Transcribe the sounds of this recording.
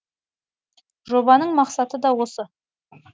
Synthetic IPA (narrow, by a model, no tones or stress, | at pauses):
ʒo̞bɑnəɴmɑqsɑt̪əd̪ɑwo̞sə